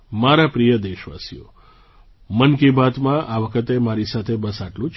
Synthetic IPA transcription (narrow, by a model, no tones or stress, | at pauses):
maɾapɾijəd̪eʃʋa̰sḭo̰ | mənkibat̪mãʔaʋəkʰət̪emaɾisat̪ʰebəsaʈlũt͡ʃ